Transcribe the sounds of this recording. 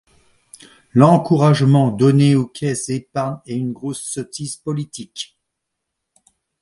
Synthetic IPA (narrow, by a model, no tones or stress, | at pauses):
lɑ̃kuʁaʒmɑ̃d̪ɔneokʲʰɛsepaɛynɡʁosːɔt̪izpɔlit̪ʰik